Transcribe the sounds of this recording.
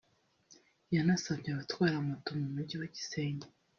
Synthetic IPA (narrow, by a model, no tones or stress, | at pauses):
janasaβɲaβatwaːɾamatomumuɾɟiwaɟi̥seːɲe